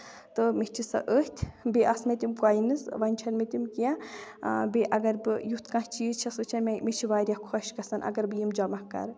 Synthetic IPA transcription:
t̪ɨmit͡ʃʰisɐ̰ʔəːht̪ʲʰbʲeʔɐsmet̪ʲimkaːjinɨsʋɐnʲt͡ʃʰɐnmet̪imkiã | beʔɐɡɐɾbɨjut̪ʰkãɦt͡ʃiːzt͡ʃʰɐsɨːt͡ʃʰɐnmmet͡ʃʰiʋaːɾʲjakʰɔʃkɐsɐnʔɐ̰ɡɐɾbɨjimd͡ʒɐmɐhkɐ̰ɾ

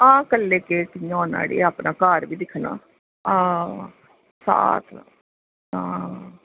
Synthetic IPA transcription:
ãːkəlːeːkeːkɪjãːna̰ːɽḛːaːpnaːkaːɾʋiːd̪ɪkʰnã̰ː | ãː | sa̰ːt̪ʰ | ãː

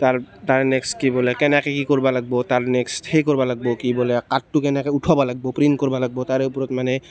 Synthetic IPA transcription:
t̪aɹt̪aɹnɛkstkibɔlɛkɛnɛkɛkikɔɹbalaɡ̚bɔtaɹnɛksthejkoɹbalaɡ̚bɔkibɔlɛkatːʊkɛnɛkɛutʰabalaɡ̚bɔpɹinkɔɹbalaɡ̚bɔt̪aɹeʊpɔɹɔt̪manɛ

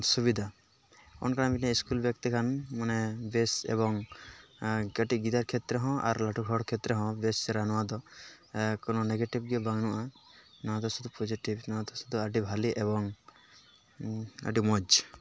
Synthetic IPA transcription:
suβid̪ʱa | ɔ̰nkaãbiʈnɛiskulbjɔkt̪ikʰanmanɛbesḛβɔŋ | ɡaʈiɡit̪aɾkʰet̪ɾɛɦɔ̃ʔa̰ɾlaʈʰuɡʱɔɽkʰet̪ɾɛɦɔ̃besɛɾanɔwad̪ɔ | kɔnɔneɡeʈib̚ɡɛbaŋnuʔa | nɔt̪ɔsud̪upɔd͡ʒiʈibnãt̪ɔsud̪ʱuaɖibʱaliʔeβɔŋ | a̰ɖimɔd͡ʒ

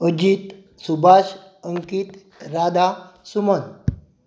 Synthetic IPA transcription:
əd͡ʑit̪ | subaɕ | əŋkit̪ | ɾad̪a | sumən

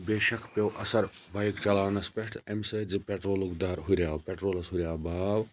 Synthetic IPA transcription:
beːʃɐkʰpewʔɐsɐɾ | bɐjkt͡ʃɐlaːʋnɐspeʂʈʰemsed͡ʒɨpeʈɾoːluɡd̪aːɾɦuɾjaːpeʈɾoːlɐsɦuɾʲjaːbaːw

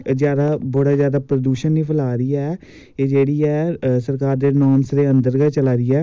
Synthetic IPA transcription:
zjaːd̪aːboɽaːzjaːd̪aːpɾəd̪uːʃənːiːpʰəlaːɾiːɛː | eːd͡ʒeːɽiːɛːsəɾkaːɾd̪eːnɔːnsd̪eːənd̪əɾɡət͡ʃəlaːɾiːɛː

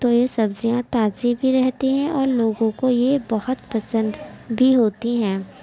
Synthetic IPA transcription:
t̪ojesɐbzijãt̪aːzibʱiɾɛɦt̪iɦɛ̃ʔɔːɾloːɡõkojebɐhʊt̪pɐsə̃nd̪bʱiɦoːt̪iɦɛ̃ː

